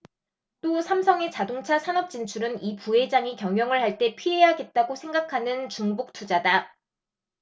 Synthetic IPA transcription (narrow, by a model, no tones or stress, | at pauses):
t͈osʰamsʰʌŋe̞t͡ɕadoŋt͡ɕʰasʰanʌp̚t͡ɕ͈int͡ɕʰuɾɯnipuɦe̞d͡ʑaŋikjʌŋjʌŋɯɭhaɭt͈e̞pʰiɦe̞ɦaɡe̞t̚t͈aɡosʰe̞ŋɡakʰanɯnt͡ɕuŋbuk̚tʰud͡ʑada